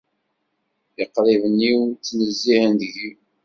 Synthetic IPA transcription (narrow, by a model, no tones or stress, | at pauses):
ɪqːɾɪvənːiwt͡sːnəzːiʕənd̪ʝi